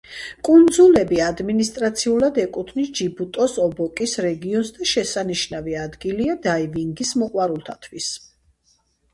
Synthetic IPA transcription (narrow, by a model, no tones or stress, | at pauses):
kʼund̪zulɛbiad̪minist̪ʼɾat̪sʰiulad̪ɛkʼut̪ʰnisd͡ʒibut̪ʼɔsɔbɔkʼisɾɛɡiɔnsd̪aʃɛsaniʃnaviad̪ɡiliad̪aiviŋɡismɔqʼwaɾulˠt̪ʰat̪ʰwis